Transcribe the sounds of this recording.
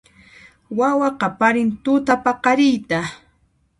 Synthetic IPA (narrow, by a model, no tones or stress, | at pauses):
wawɑqɑpaɾɪnt̪ʊt̪apɑqɑɾɪjt̪a